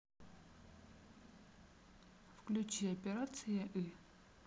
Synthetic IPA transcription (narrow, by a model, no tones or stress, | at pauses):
fklʲut͡ɕiɐpʲeɾat̪sɨjɐʔi